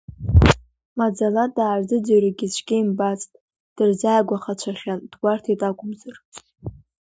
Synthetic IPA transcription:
mad͡zalatʼaːɥd͡zɨd͡zaraɡʲit͡ʃʷʰɡʲejmbat͡sʼtʼ | d̥ɨrzaːɡʷaχat͡ʃʷʰaχʲand̥ɡʷartʰatʼakʷʼʊmzɨr

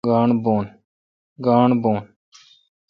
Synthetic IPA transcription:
ɡaːɳboːn | ɡaːɳboːn

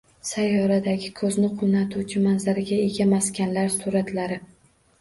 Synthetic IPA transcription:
sajːɒɾad̪aɡʲɪkʰɵznɪqʰʊnat̪ʰut͡ʃʰɪmanzaɾɪɡʲae̞ɡʲamaskʲanlaɾsuɾat̪ʰlaɾɪ

